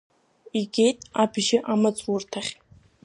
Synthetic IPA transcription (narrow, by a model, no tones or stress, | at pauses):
iɡʲe̞jtʼabʒɪʔamat͡sʼwurtʰaχʲ